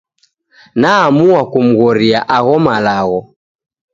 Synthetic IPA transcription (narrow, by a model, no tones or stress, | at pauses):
naːmuwakum̩ɣɔɾiaʔaɣɔmalaɣɔ